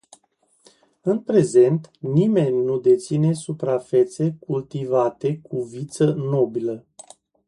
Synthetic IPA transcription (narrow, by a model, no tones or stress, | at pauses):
ɨnpɾe̞ze̞nt̪nime̞nʲnud̪e̞t̪sine̞supɾafe̞t̪se̞kult̪ivat̪e̞kuvit̪səno̞bilə